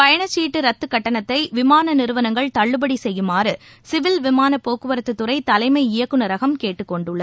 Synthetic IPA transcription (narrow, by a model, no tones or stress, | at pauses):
pɐjɐɳɐt͡ʃːiːʈːɯɾɐt̪ːɯkːɐʈːɐnɐt̪ːɐɪʋɪmaːnɐnɪɾɯʋɐnɐŋɡɐɭt̪ɐɭːɯbɐɽisɛjːɯmaːɾɯ | sɪʋɪlʋɪmaːnɐpːoːkɯʋɐɾɐt̪ːɯt̪ːɯɾɐɪt̪ɐlɐɪmɐɪɪjɐkːɯnɐɾɐɣɐmkeːʈːɯkːɔɳɖɯɭːɐð